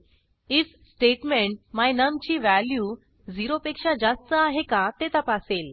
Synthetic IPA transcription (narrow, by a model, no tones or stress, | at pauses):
it͡s | sʈeʈmeɳʈ̚majnəmt͡ɕiːʋæljuː | d͡ziɾopekʂad͡zast̪əaɦekat̪et̪apasel